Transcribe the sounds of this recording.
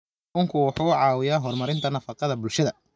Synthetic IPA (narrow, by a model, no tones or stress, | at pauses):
ʔʊŋkʰuwʊħuːʕɑːwɪjaːɦɔrmɐɾɪnt̪ʰɐnɐfɑqɑðɐbʊlʃɐðɐ